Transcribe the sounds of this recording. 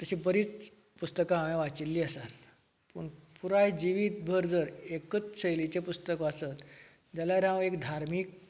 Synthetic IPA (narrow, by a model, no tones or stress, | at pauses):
t̪əɕibəɾiːt͡s | pust̪əkãɦaʋẽʋat͡ɕilːiːəsat̪ | pəɳpuɾajd͡ʑiʋiːt̪̚bʱəɾd͡zəɾekət͡sɕəjlit͡ɕepust̪əkəəsət̪ | d͡ʑalaɾãʋekd̪ʱaɾmiːk̚